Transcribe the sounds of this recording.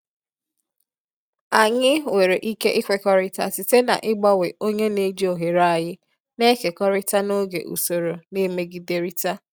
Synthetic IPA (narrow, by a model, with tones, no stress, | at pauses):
a˨ɲɪ˦we˨ɾe˨ʔi˦ke˦ʔɪ˦kʷe˨kɔ˦ɾɪ˦ta̰˨tɪ˨te˦na̰˨ʔɪ˦ɡ͡bɔ˦we˨o˦ɲe˦ne˦d͡ʒi˦o˨ɦe˨ɾa˦a˨jɪ˦ | ne˦ke˨kɔ˦ɾɪ˦ta˦no˦ɡḛ˨ʔṵ˨so˨ɾo˨ne˦me˦ɡi˨de˨ɾi˦ta˦